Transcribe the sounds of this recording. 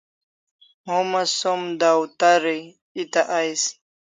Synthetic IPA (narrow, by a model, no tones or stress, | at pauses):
momasomd̪awt̪aɾi | it̪aʔajs